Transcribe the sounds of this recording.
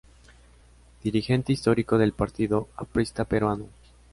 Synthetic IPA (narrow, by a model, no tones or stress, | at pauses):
d̪̥iɾixe̞nt̪eist̪o̞ɾiko̞ðe̞lpaɾt̪iðo̞apɾist̪apeɾwano